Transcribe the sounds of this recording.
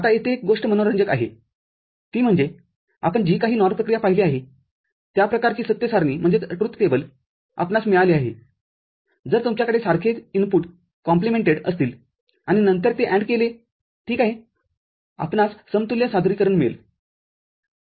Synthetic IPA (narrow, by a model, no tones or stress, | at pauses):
at̪aet̪ek̚ɡoʂʈəmənoɾəɲd͡ʑəka̰ɦḛ | t̪iːm̤əɳd͡ze | a̰pəɳd͡ʑiːkaɦiːnɔɾpɾəkɾijapaɦileaɦe | t̪japɾəkaɾt͡ɕiːsət̪jəsaɾniːm̤əɳd͡zeəʈɾut̪ːkebəl | a̰pnasmeɭaliaɦḛ | d͡zəɾt̪umt͡ɕjakəɽesaɾkʰet͡sinpuʈ | kɔ̃mplimeɳʈeɽə̰st̪iːl | aɽ̃inənt̪əɾt̪eʔæɳɖkele | ʈʰiːkaɦi | a̰pɳasːəmt̪uljasad̪ʱɾiːkəɾəɳmḛl